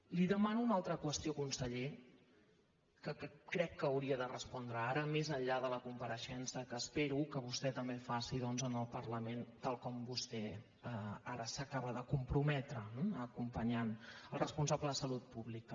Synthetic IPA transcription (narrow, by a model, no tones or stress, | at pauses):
liðəmanuːnalˠt̪ɾəkwəst̪iokunsəʎe | kəkɾɛkːəːwɾiəðərəspɔnd̪ɾəaɾəmezəɲʎaðələkumpəɾəʃɛnsəkəːspeɾukəβust̪ɛt̪əmbefasiðɔnzənəlˠpəɾləment̪alˠkɔmbust̪ɛ | əaɾəsəkaβəðəkumpɾumɛt̪ɾəəkumpəɲanəlˠrəspunsabləðəsəlut̪̚puβlikə